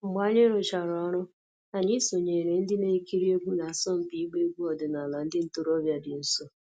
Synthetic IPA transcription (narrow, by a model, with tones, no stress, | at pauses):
ŋ͡m̩˨ɡ͡ba˦ɲɪ˦ɾʊ˨t͡ʃa˨ɾɔ˦ɾʊ˦ | a˨ɲɪ˦so˨ɲe˨ɾe˨n̩˦dɪ˦ne˨˦ki˦ɾi˦o˦ɡʷu˦na˨sɔ˦m̩˨pi˦ɡ͡be˦ɡʷu˦ɔ˨dʊ˨na˨la˨n̩˦dɪ˦n̩˦to˦ɾɔ˦bja˦dɪ˨n̩˦so˦